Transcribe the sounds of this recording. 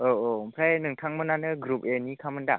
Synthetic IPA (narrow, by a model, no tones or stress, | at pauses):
oompʰɾajnɯŋtʰaŋmɯnanɯɡɾup̚enikʰamɯnda